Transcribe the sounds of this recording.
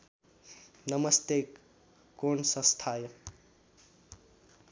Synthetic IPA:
nʌmʌst̪ekː | onsʌ̃st̪ʰaːjə

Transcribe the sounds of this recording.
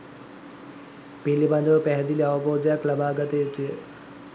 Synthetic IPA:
piliband̪əʋəpæɦɛd̪iliaʋəboːd̪əjaklabaːɡət̪əjet̪ujə

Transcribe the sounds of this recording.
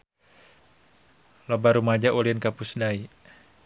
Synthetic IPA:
lɔbaɾumad͡ʒaʔulinkapusdai

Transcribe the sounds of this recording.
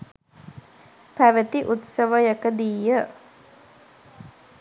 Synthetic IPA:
pæʋət̪iʔut̪səʋəjəkəd̪iːjə

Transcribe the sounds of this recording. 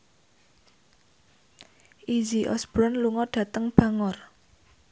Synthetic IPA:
ʔid͡ʒiʔɔ̰sb̥ɾɔnluŋɔɖ̥ä̤t̪əŋb̥äŋɔr

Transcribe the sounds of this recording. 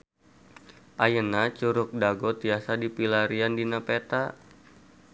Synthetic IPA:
ʔajənat͡ʃuɾʊk̚daɡɔt̪iasadipilaɾiandinapet̪a

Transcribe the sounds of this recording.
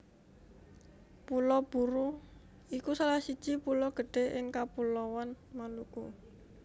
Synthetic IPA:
pulɔb̥uɾu | ikusalahsid̥ʒ̥ipulɔɡ̥ə̤ɖ̥e̤ʔɪŋkapulɔwan | maluku

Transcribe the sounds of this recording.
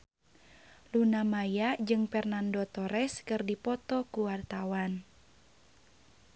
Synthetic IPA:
lunamajad͡ʒɨŋfɛrnandɔt̪ɔɾɛskɨrdipɔt̪ɔkuwart̪awan

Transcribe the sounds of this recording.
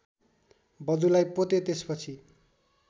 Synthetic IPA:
bʌd̪ulajpot̪et̪espʌt͡sʰi

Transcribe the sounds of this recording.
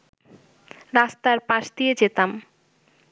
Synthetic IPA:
ɾast̪aɾpãʃd̪ied͡ʑet̪am

